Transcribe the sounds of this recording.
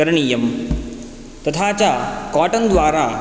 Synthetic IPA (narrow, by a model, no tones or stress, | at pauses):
ɐɾɳiːjɐm | t̪ɐt̪ʰat͡ɕakaːʈɐnd̪ʋaːɾa